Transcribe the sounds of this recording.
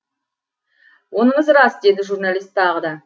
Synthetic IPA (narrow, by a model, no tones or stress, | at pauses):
wo̞nəɴəzɾɑsd̪e̞d̪ɪʒurnalʲˠijst̪ːʰɑʁəd̪ɑ